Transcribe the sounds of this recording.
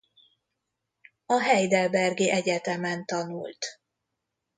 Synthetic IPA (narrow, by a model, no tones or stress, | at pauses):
ɒɦɛjd̪ɛlbɛrɡeːʔɛɟɛt̪ɛmɛnt̪ɒnṵlt̪